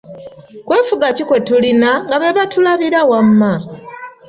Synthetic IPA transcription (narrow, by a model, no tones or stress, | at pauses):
kwe̞ːfuɡacikwe̞tulinaŋɡaβe̞βatulaβiɾawamːa